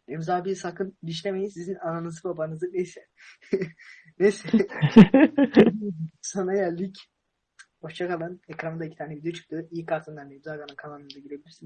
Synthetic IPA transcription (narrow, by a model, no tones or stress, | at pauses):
emzaːbisakʰɯnd̪iʃ̬lʲemejinsizinananɯzɯbabanɯzɯnejsɛ | nesɛ | sanajæɾlʲic | boʃt͡ʃʰakʰalˠanɛkɾamɯd̪aicʰit̪ʰaːɾnɛbid̪øt͡ʃʰy̥t̪ijikʰaɾt̪ʰɯnd̪anɛmzakanɯnkʰalˠanɯnd̪aɟiɾebilʲiɾsin